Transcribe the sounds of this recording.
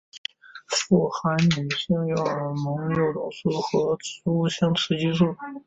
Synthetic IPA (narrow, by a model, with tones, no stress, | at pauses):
fu˥˩xa˧˥nny˨˩ɕi˥ŋjɑ˥˩ʊə˞˨˩mɤ˧˥ŋjo˧˩ʊʈ͡ʂʊ˨˩ŋʂu˥˩xɤ˧˥ʈ͡ʂ̩ʰ˧˥u˥˩ɕjɑ˥ŋʈ͡ʂʰɻ̩˧˥t͡ɕi˥ʂu˥˩